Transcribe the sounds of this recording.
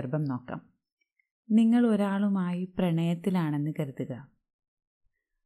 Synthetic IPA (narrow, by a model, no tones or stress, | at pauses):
ɐrbɐmno̞ːkːɐ̰m | niŋːɐɭo̞ɾaːɭumaːjiprɐɳɐjɐt̪ːilaːɳe̞nːɨkɐɾuðuɣɐ